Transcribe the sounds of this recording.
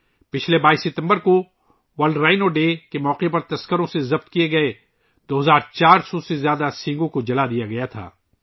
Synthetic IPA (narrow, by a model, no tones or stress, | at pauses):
pɪt͡ʃʰlebaːisːɪt̪ə̃mbəɾko | wɐlɖɾaːɪnoɖeːkemɔːqepɐɾt̪ɐskəɾõsezɐbt̪kijeɡɐe | d̪̥oːɦɐzaːɾt͡ʃaːɾsɔsezjaːd̪asɪ̃ːŋɡõkod͡ʒɐlad̪ijaɡɐjat̪ʰa̰ː